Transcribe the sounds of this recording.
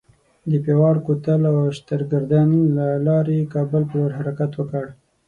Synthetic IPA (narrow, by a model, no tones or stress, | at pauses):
d̪əpewɑɽkot̪əlawʃt̪əɾɡaɾd̪ɑnilalɑɾekɑbəlpəwəɾɦaɾakat̪wəkəɽ